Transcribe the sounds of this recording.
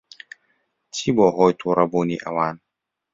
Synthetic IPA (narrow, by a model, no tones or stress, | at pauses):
tʰibɔːɦɔjt̪ʰuɾaboniʔa̰waːn